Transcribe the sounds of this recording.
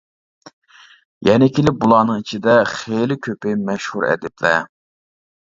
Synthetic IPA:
jɛnɪkʲilɪp̚bulˠɑːnɨŋit͡ʃʰid̪ɛχelɪkʲʰøpɪjmɛʃhuɾɛ̰d̪ɪplɛ̰

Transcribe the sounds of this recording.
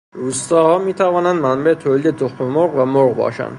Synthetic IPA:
ɾust̪ɒːhɒːmit̪ʰævɒːnænd̪mænbæet̪ʰolid̪ed̪oxomoɾʁvæmoɾʁbɒ̰ːʃæ̰nd̪

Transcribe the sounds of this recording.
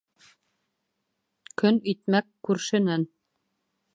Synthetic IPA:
kɵnɵ̆jt̪mækːʉɾʃɘ̆næn

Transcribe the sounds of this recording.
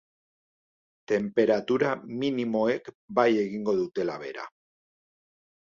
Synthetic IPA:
t̪e̞mpe̞ɾat̪uɾaminimo̞ek | baje̞ɣ̞iŋɡo̞ðut̪e̞laβ̞e̞̰ɾa̰

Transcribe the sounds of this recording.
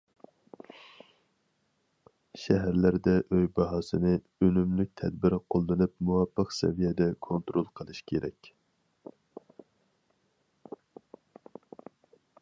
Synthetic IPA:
ʃɛɦæɾlæɾd̪ɛʔøjbɑɦɑːsɨnɨ | ønymlyk̚ʲt̪ʰɛd̪̚bɪɾqʰolˠːɨnɨp̚muwɑpːəqsɛ̰vijɛd̪ɛkʰont̪ɾolˠqʰəlˠɨʃkʲʰeɾɛ̰kʲ

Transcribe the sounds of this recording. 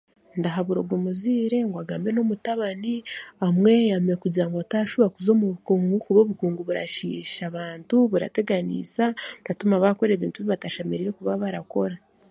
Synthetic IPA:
ndaɦaβuɾo̞ɡomuziːɾe̞ŋɡwaɡaːmbeno̞mutaβaniamwe̞jamiɾekuɟiɾaŋɡataʃuβakuzo̞ːmuβkuːŋɡukuβo̞βukuːŋɡuβuɾa̰ʃḭːʃaβaːntuβuɾa̰te̞ɡanḭːsandatumaβako̞ɾe̞ːβiːntuβiβataʃemeɾiɾe̞kuβaβaɾako̞ɾa

